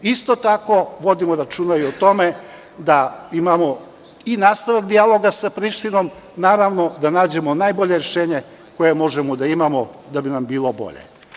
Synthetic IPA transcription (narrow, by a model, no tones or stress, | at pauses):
ist̪ot̪ako̞ʋo̞d̪imoɾat͡ʃuːnaiot̪o̞me̞ | d̪aimamo | inaːst̪aʋakd̪ialˠo̞ɡasapɾiʃt̪ino̞m | naːɾaʋno̞d̪anaːd͡ʑe̞mo̞naːjbo̞ʎe̞ɾeʃeːɲe | ko̞je̞mo̞ʒemod̪aimamod̪abinambiːlˠo̞bo̰ʎḛ